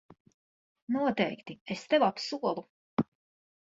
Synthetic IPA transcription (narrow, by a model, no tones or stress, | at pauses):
nuɔt̪ɛjkt̪iest̪ɛvapsuɔlˠu